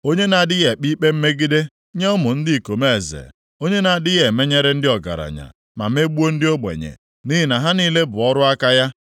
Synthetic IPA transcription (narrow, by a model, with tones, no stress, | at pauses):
o˦ɲe˦na˨a˨dɪ˦ɣe˨k͡pi˦k͡pe˦m̩˦me˦ɡi˦de˦ | ɲe˦ʊ˦mʊ˨n̩˦dɪ˦˨ko˨me˦e˨zḛ˨ | o˦ɲe˦na˨a˨dɪ˦ɣe˨me˦ɲe˦ɾe˦n̩˦dɪ˦ɔ˨ɡa̰˨ɾa̰˨ɲa̰˨ | ma̰˨m˦e˦ɡ͡bu˦o˦n̩˦dɪ˦o˦ɡ͡bḛ˨ɲḛ˨ | ni˦ɦi˦na˨ɦa˦niː˦le˦bʊ˨ɔ˦ɾʊ˦a˦ka˦ja˦